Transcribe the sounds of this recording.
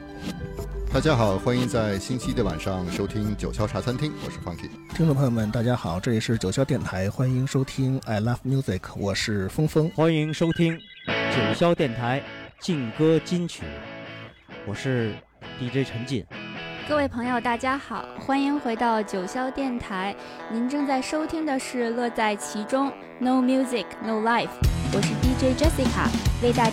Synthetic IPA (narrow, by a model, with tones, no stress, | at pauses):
t̪a˥˩t͡ɕja˥xɑ˨˩ʊxwa˥ni˧˥ŋt͡sa˥˩ɪɕi˥nt͡ɕʰi˥d̪ə˧wa̰˨˩nʂɑ˥˩ŋʂo˥ʊt̪ʰi˥ŋt͡ɕjo˨˩ʊɕjɑ˥ʊʈ͡ʂʰa˧˥t͡sʰa˥nt̪ʰi˥ŋwɔ̰˨˩ʂɻ̩˥˩fɑ˥ŋt̪ʰḭ˥˩t̪ʰi˥ŋʈ͡ʂpʰɤ˧˥jo˥˩mə˩nt̪a˥˩t͡ɕja˥xɑ˨˩˦ʊʈ͡ʂɤ˥˩li˨˩ʂɻ̩˥˩t͡ɕjo˨˩ʊɕjɑ˥ʊt̪jɛ˥˩nt̪ʰa˧˥ɪxwa˥ni˧˥ŋʂo˥ʊt̪ʰi˥ŋa˧˩ɪla˥fmju˥˩zi˨˩kʰwʔɔ˨˩ʂɻ̩˥˩fɤ˥ŋfɤ˥ŋxwa˥ni˧˥ŋʂo˥ʊt̪ʰi˥ŋ | t͡ɕjo˨˩ʊɕjɑ˥ʊt̪jɛ˥˩nt̪ʰa˧˥ɪt͡ɕi˥˩ŋkɤ˥t͡ɕi˥nt͡ɕʰy̰˨˩˦ | wɔ˨˩ʂɻ̩˥˧ | t̪i˥˧ʈ͡ʂe˥˧ɪʈ͡ʂʰə˧˥nt͡ɕḭ˥˩nkɤ˥˧we˥˩ɪpʰɤ˧˥ŋjo˥˧ʊt̪a˥˩t͡ɕja˥xɑ˨˩˦ʊxwa˥ni˧˥ŋxwe˧˥ɪt̪ɑ˥˩ʊt͡ɕjo˨˩ʊɕjɑ˥ʊt̪jɛ˥˩nt̪ʰa˧˥ɪ | ni˧˥nʈ͡ʂɤ˥˧ŋt͡sa˥˩ɪʂo˥ʊt̪ʰi˥ŋd̪ə˨ʂɻ̩˥˧lɤ˥˧t͡sa˥˩ɪt͡ɕʰi˧˥ʈ͡ʂʊ˥ŋ | no˥˩ʊmju˥zi˨˩kʰno˥˩ʊla˥˩ɪfwɔ˨˩ʂɻ̩˥˧t̪i˥˧ʈ͡ʂe˥˩ɪʈ͡ʂɛ˥si˥kʰa̰˨˩we˥˧ɪt̪a˥˧